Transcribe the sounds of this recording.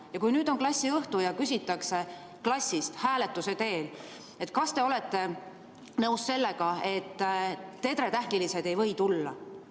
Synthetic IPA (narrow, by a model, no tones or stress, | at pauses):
jɑkujnyːd̪o̞ŋklɑsʲːiɤht̪ujɑkysʲit̪ːˑɑkse̞ | klɑsʲːist̪hæːle̞t̪ːˑuse̞t̪e̞ːl | e̞t̪̚ːˑkɑst̪e̞o̞le̞t̪ˑːe̞ | nɤwsse̞lːe̞ɡ̥ɑe̞t̪ˑːe̞d̪ɾe̞t̪æhkilise̞d̪e̞jvɤ̞jt̪ulːɑ̰